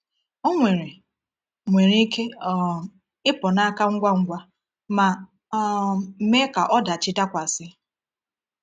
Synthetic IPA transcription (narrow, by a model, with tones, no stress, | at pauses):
o˦ŋʷe˨ɾe˨ | ŋʷe˨ɾe˦ke˦˨ | ɪ˦pɔ˨na˦a˦ka˦ŋ̩˦ɡʷa˦ŋ̩˦ɡʷa˦ | ma˨˦ | m̩˨me˦ka˨ʔɔ˦da˨t͡ʃɪ˦ta˦kʷa˨sɪ˦